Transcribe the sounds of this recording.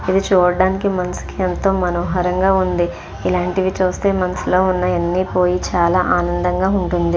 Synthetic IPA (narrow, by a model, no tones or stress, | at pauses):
id̪it͡ʃuːɽɐɖaːnikimɐnɐsu̥kiɐnt̪oːmɐnɐmɦɐɾɐŋɡaːund̪i | ilaːɳʈiʋit͡ʃuːst̪e̞ːmɐnɐslo̞ːunːɐɐnːipo̞ːjit͡ʃaːlaːʔaːnɐnd̪ɐŋɡaːuɳʈund̪i